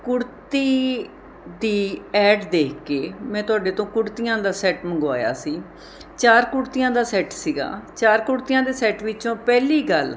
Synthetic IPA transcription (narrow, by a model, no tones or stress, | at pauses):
kʊɽt̪iː | d̪iːɛːɖd̪eːkʰkeːmɛ̃ːt̪ʊaːɖeːt̪õːkʊɽt̪ijãːd̪aːsɛːʈməŋɡa̰ːja̰ːsiː | t͡ʃaːɾkʊɽt̪ijãːd̪aːsɛːʈsiːɡa̰ːt͡ʃaːɾkʊɽt̪ijãːd̪eːsɛːʈʋɪt͡ʃõːpɛːliːɡəl